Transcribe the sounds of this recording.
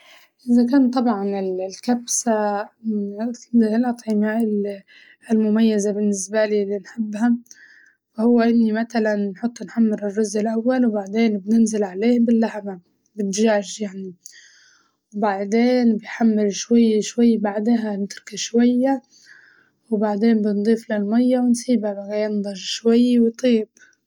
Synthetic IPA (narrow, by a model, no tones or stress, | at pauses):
ʔɪzakaːnt̪ˤɑbʕɑnɪllkabsa | llʔɑt̪ˤʕɪmaʔɪ | lmʊmajːazabɪnːɪsbaliːlːinħɪbːha | fahʊwːaʔɪnːimat̪alanːħʊt̪ˤːnħamːɪɾɪrːʊzɪlʔawːalwbaʕd̪eːnbnɪnzɪlʕaleːhbɪlːahma | bɪnʒaːʃjaʕni | wbaʕd̪eːnbɪjħamːɪɾʃwajːʃwajːbaʕd̪ɪɦanɪt̪ɾɑkaʃwajːa | wbaʕd̪eːnbɪnd̪ˤiːflɪlmajːawɪnsiːbabaɣajɑnd̪ˤɑʒʃwajːwt̪ˤiːb